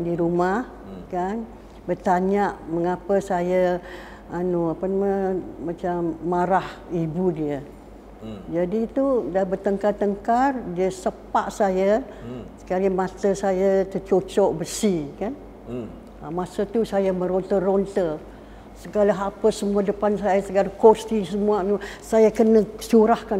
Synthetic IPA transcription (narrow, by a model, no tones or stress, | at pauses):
diɾumah | kan | bərt̪aɲaʔməŋapəsaja | anoapənamamat͡ʃamːaɾahibudiə | d͡ʒadit̪udabərt̪əŋkart̪əŋkardiəsəpaʔsaja | sə̥kalimãt̪əsajat̪ət͡ʃot͡ʃɔʔbəsikan | əmasət̪usajamə̃ɾont̪ərɔnt̪ə | səɡalaɦapəsəmuadəpansajasəɡalakost̪isəmuaanusajakənəsuɾahkan